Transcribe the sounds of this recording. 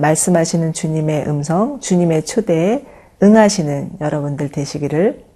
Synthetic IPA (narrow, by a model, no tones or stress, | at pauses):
maɭs͈ɯmɦaɕʰinɯnt͡ɕuɲime̞ʔɯmsʰʌŋt͡ɕuɲime̞t͡ɕʰude̞ | ɯŋɦaɕʰinɯnjʌɾʌbundɯɭtwe̞ɕʰiɡiɾɯɭ